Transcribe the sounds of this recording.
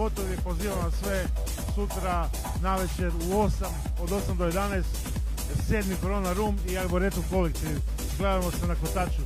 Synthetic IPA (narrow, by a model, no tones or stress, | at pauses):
o̞t̪oʋipo̞ziːʋamasʋe | sut̪ɾa | naʋet͡ʃeuosam | od̪o̞samd̪ojed̪anaest̪ | se̞ːd̪mikoɾoːnaɾuːmiaboɾet̪ukolik̚t̪i | ɡled̪amosenakot̪at͡ʃu